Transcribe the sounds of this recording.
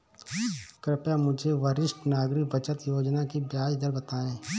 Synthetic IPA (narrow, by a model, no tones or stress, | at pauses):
kɾɪpjamʊd͡ʒʱeʋəɾɪʃʈnaːɡɾɪkbət͡ʃət̪joːd͡ʒnakibjaːd͡ʒd̪əɾbət̪aːẽː